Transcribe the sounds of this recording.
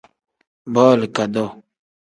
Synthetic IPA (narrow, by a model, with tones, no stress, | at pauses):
bɔː˦lka˨d̪o˦